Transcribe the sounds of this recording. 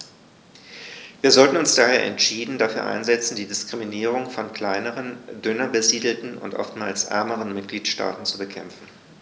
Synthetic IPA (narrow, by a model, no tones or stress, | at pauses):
viːɐzɔltn̩ʊnsd̥aːheːɐʔɛ̰ntʃiːdn̩dafyːɐʔa̰ɪnzɛt͡sn̩diːdɪskʁ̥iminiːʁ̞ʊŋfɔnkl̥aɪnəʁəndʏnɐbəziːdl̩tn̩ʊ̰ntʔɔ̰ftmaːlsʔɛ̰ɐməʁənmɪt̚ɡ̥liːtʃta̰ːtn̩t͡subəkʰɛmfn̩